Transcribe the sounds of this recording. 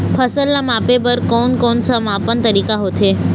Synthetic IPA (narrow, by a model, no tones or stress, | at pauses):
pʰɐsəlːamaːpepəɾkoːnkoːnsamaːpənt̪ɐɾiːkaɦot̪ʰeː